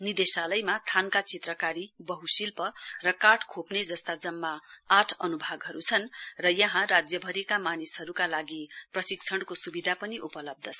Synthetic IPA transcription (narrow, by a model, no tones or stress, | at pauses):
nid̪esalʌjmat̪ʰankat͡sit̪rʌkaɾibʌɦusilpʌrʌkaʈkʰopned͡zʌst̪ad͡zʌmːaaʈʰʌnubʱaɡɦʌɾut͡sʰʌnrʌjʌɦãrad͡zjʌbʱʌɾikamanisɦʌɾukalaɡiprʌsik̚t͡sʰʌɽkosubid̪ʱapʌniʔupʌlʌb̚d̪ʱʌt͡sʰʌ